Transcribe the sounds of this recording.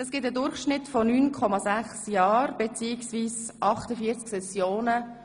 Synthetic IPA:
ɛsɡ̥ɪtədʊrχʃnɪtfɔnyːnkʰɔmɑzæχsjɑːrb̥et͡siːiksviːsʔɑχtəfiət͡sksɛsjoːnə

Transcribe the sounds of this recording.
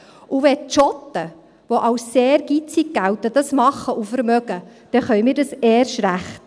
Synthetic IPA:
uʋɛtt͡ʃɔt̪ːə | ʋoʔɑwsːeːɾɡ̥it͡siɡ̚ɡæwtəd̥ɑsmɑχəʔufəɾmœɡəd̥ɛχœjmiːɾdɑseːɾʃɾæχt

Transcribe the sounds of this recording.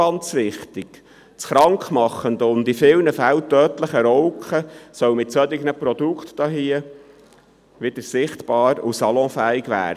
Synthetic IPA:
ɑnt͡sʋɪχt̪ɪɡ̥ | sχɾɑŋkχmɑχːənd̪əʊnd̪ɪfɪlnəfæwt̪œːtləχəɾɔwkχəsœwmɪtsœd̪ɪɡnəpɾɔd̥̪ukχt̪d̥ɑɦiə | ʋɪd̥̪əɾsɪχt̪b̥ɑːɾusɑlɔ̃fæɪɡʋæ̰ːɾ

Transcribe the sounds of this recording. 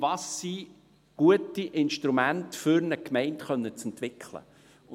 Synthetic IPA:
vɑsːi | ɡ̥uətiʔɪnʃtɾumæntfʏɾnəkmɛɪntχœnːət͡sɛntʋɪkχlə̰

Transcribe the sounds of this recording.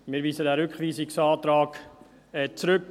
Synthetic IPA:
mɪːɾviːzədæːɾʏkχviːsɪksɑːt̪ɾɑːk | ɛt͡sɾʏk

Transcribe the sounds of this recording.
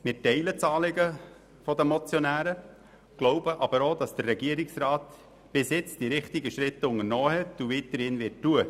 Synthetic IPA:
mɪtɛɪlət͡sɑːlɪɡə | fɔd̪əmɔt͡sjɔnæːɾə | ɡ̥loʊbəʔɑb̥əɾoːd̥̪ɑsd̥ərːɛɡ̥iəɾɪksrɑːt̪ | b̥ɪsjɪt͡sd̥iɾɪχtɪɡəʃɾɪtːʊŋənoːhɛtuʋiːt̪əɾɪːnʋɪttuə

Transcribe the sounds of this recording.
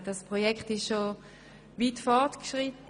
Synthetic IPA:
dɑspʁojɛkχtɪʃʃo | viːtfɔʁtkʃʁitə

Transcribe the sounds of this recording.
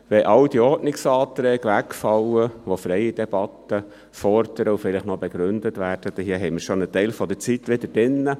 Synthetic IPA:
ʋɛʔɑwd̥iɔɾtnɪksɑːt̪ɾɛːɡ̥ʋækfɑwəʋofɾɛɪɪd̥ɛb̥ɑt̪ːə | fɔɾd̥əɾəufɪlɪχnɔb̥ɛɡ̥ɾʉnd̥̪ətʋæːɾd̥əd̥ɛhiəɦɛɪməɾʃonət̪ɛɪlfɔd̥̪ət͡sit̪ːʋɪd̥̪əd̥ɪnːə

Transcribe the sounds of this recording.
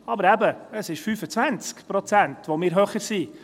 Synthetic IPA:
ɑbəɾæbəəsɪʃfyːfət͡svænt͡skpɾɔt͡sæntʋomɪːɾɦœχəɾsiː

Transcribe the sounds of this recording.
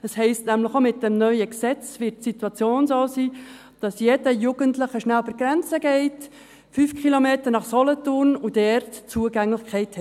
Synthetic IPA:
əshɛɪstnæmləχomɪt̚d̥ɛmnœʏəksɛt͡svɪt̚situɑt͡sjoːnsoːsiː | d̥ɑsjɛdəjuːɡ̥əntləχəʃnælb̥əɾɡɾɛnt͡səɡɛɪt | fyːfkχilomeːtəɾnɑχsɔlətʊrnud̥ɛrtt͡suəɡæŋlɪχkʰɛɪthɛ

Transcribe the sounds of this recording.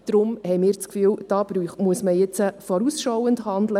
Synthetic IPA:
d̥ɾʊmhɛjmɪːɾt͡skfyːld̥ɑːb̥ɾyːχmuəsməjɛt͡səfɔɾusʃɔwəndhɑnd̪lə

